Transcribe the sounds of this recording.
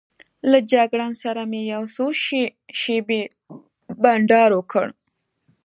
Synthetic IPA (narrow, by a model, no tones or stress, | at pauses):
lad͡ʒaɡɽɑnsaɾamejawsoʃ | ʃebe | baɳɖɑɾwokʰə̰ɽ